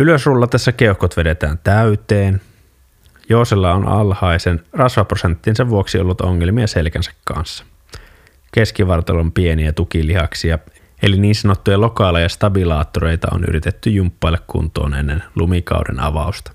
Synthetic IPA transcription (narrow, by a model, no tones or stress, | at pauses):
yløsrulːɑt̪ːesːækeuhkot̪ʋedet̪æːnt̪æyt̪eːn | joːselːɑonʔɑ̰lhɑisenrɑsʋɑprosent̪ːinseʋʋuoksiḛolːut̪oŋːelmiɑselkænsæ̥kkɑ̰nsːɑ̥ | ke̞skiʋɑrt̪ɑlompieniæt̪ukilihɑksiɑ | eliniːnsɑnot̪ːujɑlokɑːlɑjɑst̪ɑbilɑːt̪ːoɾeit̪ɑ̰o̰ny̰ɾit̪et̪ːyjumpːɑilːekkṵnt̪oːnenːenlumikɑ̰wdḛnɑ̰ʋɑˑust̪ɑ̥